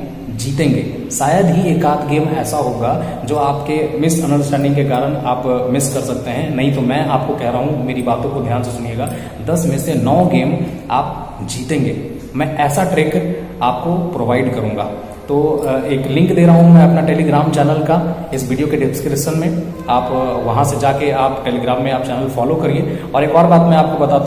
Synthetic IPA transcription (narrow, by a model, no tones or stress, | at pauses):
d͡ʒiːt̪ẽːŋɡeː | saːjəd̪ɦieːkaːt̪ʰɡeːmɛːsaɦoːɡa | d͡ʒoːaːpkemɪsɐ̃nɖəɾsʈɛ̃ːɳɖɪ̃ŋkekaːɾəñaːpmɪskɐɾsɐk̚t̪eɦɛ̃nɐɦĩt̪omɛ̃aːp̚kokɛɦɾaɦũmeːɾibaːt̪õkod̪ʱjaːnsesʊnieːɡaː | d̪ɐsmẽsenɔːɡeːm | aːp̚ | d͡ʒiːt̪ẽːŋɡeː | mɛ̃ʔɛːsaʈɾeːk | aːp̚kopɾoːʋaːɪɖkɐɾũːŋɡa̰ː | t̪oːeːklɪ̃ŋkd̪eːɾaɦũɦũmɛ̃ɐpnaʈeːliɡɾaːmt͡ʃɛːnəlkaɪsʋiːɖijokeɖɪpskɾɪpʃənmẽ | aːpʋɐɦãsed͡ʒaːkeaːpʈeːliɡɾaːmːẽaːp̚t͡ʃɛːnəlfɔːlokɐɾieɔːɾeːkɔːɾbaːt̪mɛ̃aːp̚kobɐt̪aːt̪